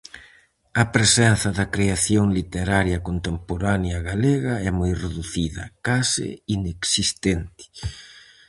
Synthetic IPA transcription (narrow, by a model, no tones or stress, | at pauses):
ɐpɾesɛnθɐðɐkɾeaθjoŋlit̪eɾaɾjɐkont̪empoɾanjɐɣaleɣɐɛmojreðuθiðɐ̰kasɪ̰ineksist̪ent̪ɪ̥